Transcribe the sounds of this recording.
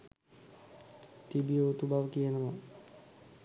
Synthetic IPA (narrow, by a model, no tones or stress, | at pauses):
t̪ibiot̪ubaʋkienama